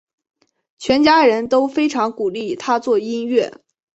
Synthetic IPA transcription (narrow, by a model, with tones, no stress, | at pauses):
t͡ɕʰɥɛ˧˥nt͡ɕja˥ɻə˧˥nt̪o˥ʊfe˥ɪʈ͡ʂʰɑ˧˥ŋku˨˩li˥˩t̪ʰa˥t͡swɔ˥˩i˥nɥɛ̰˥˩